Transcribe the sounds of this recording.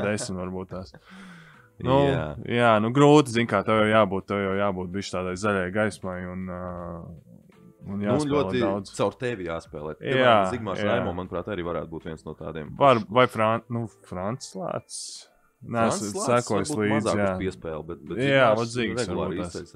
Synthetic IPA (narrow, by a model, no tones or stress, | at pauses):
d̪esmt̪vaɾbuːt̪̚t̪aːs | nnujaːnuɡɾuːt̪iziɲkaːt̪awjawjaːbuːt̪̚t̪ːewjawjaːbuːt̪̚biʃt̪aːd̪ajzaʎʲajɡajsmajun | unjaːslɛuɔlˠd̪awd̪zsawɾt̪ɛʋʲijaːspɛ̰ːlˠɛ̰ːjiɾaːziɡ̚maːjanajmuɔmanpɾaːt̪aɾiːvaɾæ̰ːt̪̚buːt̪ʋiɛnsnuɔt̪a̰ːd̪iɛmvaɾvajfɾannufɾant̪slˠa̰ːt̪s | nasssakuɔjslˠiːd̪zːkjaːpiɛspɛːlˠbɛt̪̚bɛtjaːvɔziːɡɾsɛlˠa̰ːass